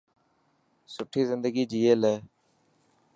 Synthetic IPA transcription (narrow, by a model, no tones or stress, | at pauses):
sʊʈʰiːzɪnd̪əɡiːd͡ʒiːeːleː